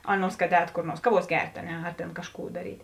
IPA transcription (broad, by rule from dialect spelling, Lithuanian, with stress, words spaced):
ˈɑːˌnuɔs kɐt ˈɛːt koːr ˈnuɔrs ˈkɑːˌʋuɔs ˈɡʲɛrʲtʲ ɐ ˈnʲɛ ɐr tʲeːn ˈkɑːʃˌkuː dɐˈrʲiːtʲ